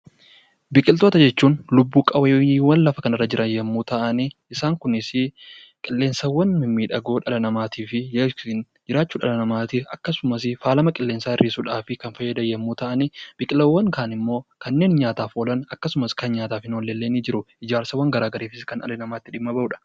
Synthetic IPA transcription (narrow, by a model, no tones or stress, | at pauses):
bɪkʼɪlt̪o̞ːt̪ɐd͡ʒɛt͡ʃːuːnlʊbːuːkʼɐwɐjːwɐnlɐfɐkɐnɐrːɐd͡ʒɪɾʔɐjɐmːuːt̪ɐʔɐniɪsaːŋkʊnɪsɪ | kʼɪlːe̞ːnsɐwːɐnmɪmːiːᶑɐɡo̞ːᶑɐlɐnɐmaːt̪ʰiːfɪɪn | d͡ʒɪɾaːt͡ʃːuːᶑɐlɐnɐmaːt̪iɐkːɐsʊmɐs̬ɪfaːlɐmɐkʼɪlːe̞ːnsaːɪrːʔiːsuːᶑaːfɪkɐnfɐjːɐd̪ɐjɐmːuːt̪ɐʔɐnib̥ɪkʼɪlɐwːɐŋkaːnɪmːo̞ːkɐnːe̞ːnɲaːt̪aːfolɐnɐkːɐsʊmɐskɐnɲaːt̪aːfhɪnolːeːlːeːniːd͡ʒɪɾʊʔɪd͡ʒaːɾsɐwːɐŋɡɐɾaːɡɐɾeːfɪskɐnɐ̰lenɐmaːt̪ːɪᶑɪmːɐbɐʔuːᶑɐ̥